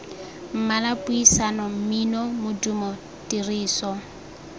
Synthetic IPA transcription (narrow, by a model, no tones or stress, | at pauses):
m̩malapʼuisanɔm̩minɔmʊdumɔ | tiriːsɔ